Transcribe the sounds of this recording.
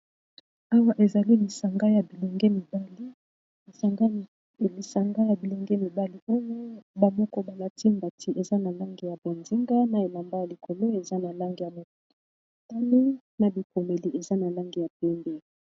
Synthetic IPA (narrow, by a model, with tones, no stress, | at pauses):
a˦wa˦ʔe˨za˨li˦li˨sa˨ŋɡa˦ja˨bi˨le˨ŋɡe˦mi˨ba˦li˦ | li˨sa˨ŋɡa˦˨ | e˨li˨sa˨ŋɡa˦ja˨bi˨le˨ŋɡe˦mi˨ba˦li˦o˦jo˦ba˨mɔ˦kɔ˦ba˨la˨ti˦mba˨tʰi˦ʔe˨za˦na˨la˦ŋɡi˨ja˨be˨ndi˦ŋɡa˦na˨e˨la˨mba˦ja˨li˨kʰo˨lo˦e˨za˦na˨la˦ŋɡi˨ja˨mo˨ta˦ni˦ | na˨bi˨ko˨me˨li˦ʔe˨za˦na˨la˦ŋɡi˨ja˨pɛ˦mbe˦˨